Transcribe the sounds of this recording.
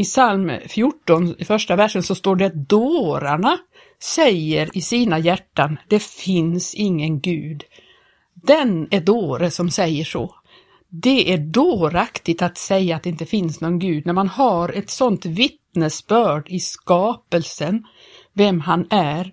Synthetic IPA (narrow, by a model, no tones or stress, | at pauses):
ɪsalmfjʊʈːɔnfœʂʈavæʂːənsɔst̪oːɖɛd̪oːɾaɳa | sɛjəɾɪsiːnajæʈːand̪ɛfɪnsɪŋːənɡʉ̟ːd̪ | d̪ɛnæd̪oːɾəsɔmsɛjːəʂɔ̰ | d̪ɛʔæɖoːɾakt̪ɪt̪at̪sɛjːaːt̪̚ɛɪnt̪əfɪnsnoɡnɡʉ̟ːd̪̚næɾmanhaɾɛt̪sɔnt̪vɪt̪nəsbœːɖɪskɑːpəlsən | vɛmɦanæɾ